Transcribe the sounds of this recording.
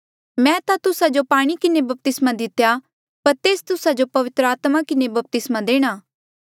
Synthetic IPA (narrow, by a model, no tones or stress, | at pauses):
mɛ̃ːt̪at̪ʊsad͡ʒopaːɽ̃ikɪnebɐp̚t̪ɪsmad̪ɪt̪ja | pɐɾt̪eːst̪ʊsad͡ʒopɐʋɪt̪ɾəaːt̪makɪnebɐp̚t̪ɪsmad̪eːɽ̃aː